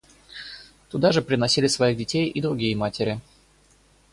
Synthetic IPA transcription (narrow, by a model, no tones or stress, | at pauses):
t̪ʊd̪aʐɨpɾʲɪnɐsʲilʲɪsvɐiɣdʲɪtʲejʔid̪ɾʊɡʲijəmatʲɪɾʲɪ